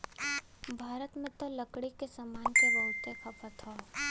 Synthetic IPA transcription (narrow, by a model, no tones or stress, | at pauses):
bʱaːɾət̪mẽt̪olɐkɽikesamaːnkeɾəlt̪epʰɐpʰət̪ʰoː